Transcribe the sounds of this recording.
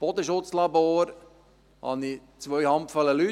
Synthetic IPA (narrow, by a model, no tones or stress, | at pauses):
b̥ɔd̪əʃʊtt͡slɑboːɾ | hɑ̰ni | t͡sʋœʏhɑmpfələly